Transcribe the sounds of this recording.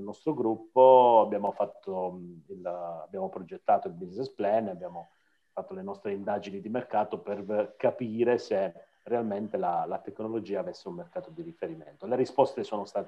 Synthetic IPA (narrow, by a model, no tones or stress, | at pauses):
lnɔst̪ɾoɡɾupːoabːjaːmofat̪ːoila̰bjaːmopɾod͡ʒet̪ːaːt̪oilbiznɛsplɛnabjaːmo | fat̪ːolenɔst̪ɾeind̪aːd͡ʒinid̪imerkaːt̪operkapiːɾese | realment̪elalat̪eknolod͡ʒiːaːvesːeummerkaːt̪od̪irifeɾiment̪oleɾispɔst̪esoːnost̪aːt̪e